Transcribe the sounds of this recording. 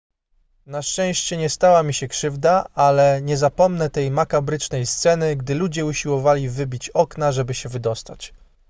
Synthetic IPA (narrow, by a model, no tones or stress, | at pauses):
naʂt͡ʂɛ̃w̃ɕt͡ɕɛɲɛst̪awamʲiɕɛkʂɘvd̪aalɛɲɛzapɔmnɛt̪ɛjmakabɾɘt͡ʂnɛjst̪sɛnɘɡd̪ɘlud͡ʑɛuɕiwɔvalʲivɘbʲit͡ɕɔkn̪aʐɛbɘɕɛvɘd̪ɔst̪at͡ɕ